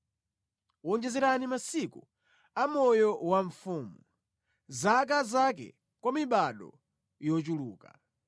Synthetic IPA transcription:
wɔnd͡ʒɛzɛɾanimasiku | amɔjɔwaɱ̩fuːmu | zak̬azakɛ̰ | kwamiɓaɗɔ̰ | jɔt͡ʃuluːka̰

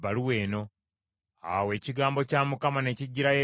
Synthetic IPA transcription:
βaliwe̞ːno̞ | a̰we̞ːciɡaːmbo̞caːmukamane̞ciɟːiɾaje

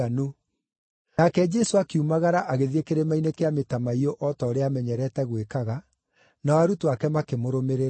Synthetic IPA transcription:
ano | akɛd͡ʒɛsoakeumaɣaɾaʔaɣeðiekeɾemainekeametamaiɔʔɔtɔːɾeamɛɲɛɾɛtɛɣwekaɣa | naɔaɾutoakɛmakemoɾomeɾe

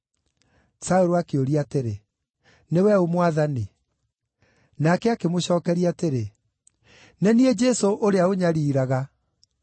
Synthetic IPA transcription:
saoɾoakeoɾiateɾe | newɛomwaðani | nakɛakemoɕɔːkɛɾiateɾe | nɛniɛd͡ʒɛsoʔoɾeaoɲaɾiːɾaɣa

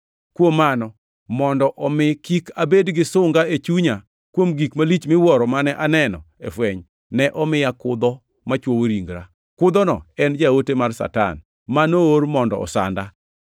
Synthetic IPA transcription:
kwomːanɔ | mɔndɔʔɔmɪkikabedɡɪsʊŋɡaet͡ʃuɲa | kwomɡikmalit͡ʃmɪwɔɾɔmanɛʔanɛnɔ̰ | ḛfwɛɲ | nɛʔɔmɪjakʊd̪ɔ | mat͡ʃwowoɾiŋɡɾa | kʊd̪ɔnɔɛnd͡ʒaotemarsa̰ta̰n | manooɾmɔndɔ̰ɔ̰sa̰nda

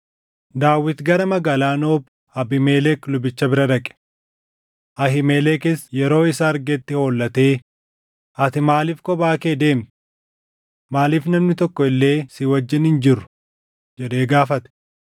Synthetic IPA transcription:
d̪aːwːɪt̪ɡɐɾɐmɐɡaːlaːnoːb | ɐbɪmeːlɛklʊbɪt͡ʃːɐbɪɾɐd̪ɐkʼɛ̥ | ʔɐɦɪmeːlɛkɪsjɛɾo̞ːɪsaːɾɡɛt̪ːɪho̞ːlːɐt̪e̞ː | ʔɐt̪ɪmaːliːfkɔbaːke̞ːd̪e̞ːmt̪ | maːliːfnɐmnɪt̪ɔkːɔɪlːe̞ːsɪwɐd͡ʒːɪnhɪnd͡ʒɪɾʊ̥ | d͡ʒɛᶑ̪e̞ːɡaːfɐt̪ɛ̥

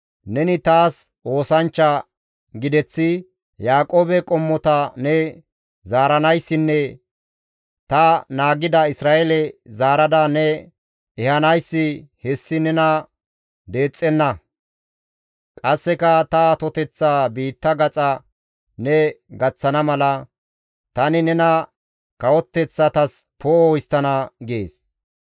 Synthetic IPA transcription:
nɛnɪt̪aːs | ʔo̞ːsɐnt͡ʃːɐ | ɡɪd̪ɛt͡sːɪ | jaːkʼo̞ːbɛkʼɔmːɔt̪ɐnɛ | zaːɾɐnɐjsːɪnːɛ | t̪ɐnaːɡɪd̪ɐɪsɾaːʔelɛzaːɾɐd̪ɐnɛ | ɛhɐnɐjsːɪhɛsːɪnɛnɐ | d̪e̞ːt͡sʼːɛnːɐ | kʼɐsːɛkɐt̪ɐt̪ɔt̪ɛt͡sːaːbiːt̪ːɐɡɐt͡sʼɐ | nɛɡɐt͡sːɐnɐmɐlɐ | t̪ɐnɪnɛnɐ | kɐwɔt̪ːɛt͡sːɐt̪ɐspoːwjst̪ːɐnɐɡḛːs

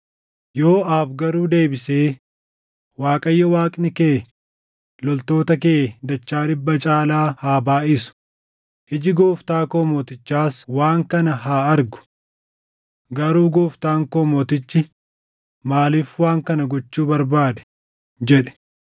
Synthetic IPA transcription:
jo̞ːaːfɡɐɾuːd̪e̞ːbɪseː | waːkʼɐjːɔwaːkʼnɪkeː | lɔlt̪o̞ːt̪ɐkeːd̪ɐt͡ʃːaːᶑɪbːɐt͡ʃʼaːlaːhaːbaːɪsʊ̥ | ʔɪd͡ʒɪɡoːft̪aːkoːmoːt̪ɪt͡ʃːaːswaːŋkɐnɐɦaːɐɾɡʊ̥ | ɡɐɾuːɡoːft̪aːŋkoːmoːt̪ɪt͡ʃːɪ | maːliːfwaːŋkɐnɐɡɔt͡ʃːuːbɐɾbaːd̪ɛ̥ | d͡ʒɛᶑɛ̥

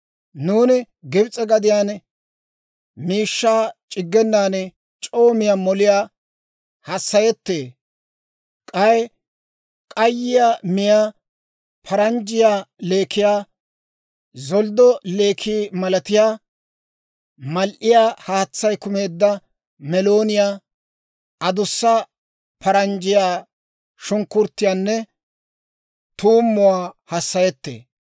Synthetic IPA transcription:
nuːnɪ | ɡɪbt͡sʼɛɡɐd̪ɪjaːn | miːʃːaːt͡ʃʼɪɡːɛnːaːnɛ | t͡ʃʼo̞ːmɪjaːmɔlɪjaː | hɐsːɐjɛt̪ːeː | kʼɐj | kʼɐjːɪjaːmɪjaː | pʰɐɾɐnd͡ʒɪjaːle̞ːkʰɪjaː | zɔld̪ɔle̞ːkʰiːmɐlɐt̪ɪjaː | mɐlʔɪjaːhaːt͡sːɐjkʊme̞ːd̪ːɐ | mɛlo̞ːnɪjaː | ʔɐd̪ʊsːɐ | pʰɐɾɐnd͡ʒɪjaː | ʃʊŋkːʊɾt̪ːɪjaːnːɛ | t̪uːmːʊwaːhɐsːɐjɛt̪ːḛː

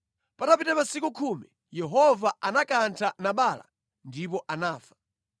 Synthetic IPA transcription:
patapitɛpasikukʰuːmi | jɛɦɔvaanakantʰanaɓaːla̰ | ndip̬ɔʔanaːfḁ

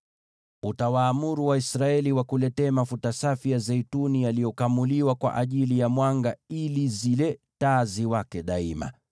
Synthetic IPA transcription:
utawaːmuɾuwaisɾaɛliwakulɛtɛːmafutasafijazɛitunijalijɔkamuliwakwa̰ʔaʄilijamwaŋɡailizilɛ | taziwakɛɗaima̰

